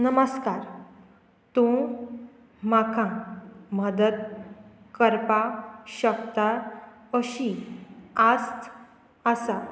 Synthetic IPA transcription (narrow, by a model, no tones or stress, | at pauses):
nəməskaɾ | t̪ũ | makʰãməd̪əd̪̚ | kəɾpaɕəkt̪a | əɕi | ast̪ʰ | əsa